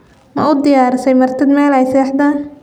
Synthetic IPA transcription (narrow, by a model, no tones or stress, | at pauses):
mɐʊd̪ɪjaːɾsɛjmɐrt̪ʰɐd̪mɛːlɛjsɛːħd̪ɐ